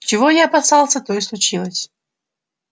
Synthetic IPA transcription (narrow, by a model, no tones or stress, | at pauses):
t͡ɕɪvojaɐpɐsɑlˠsʲət̪oɪslˠʊt͡ɕilˠəsʲ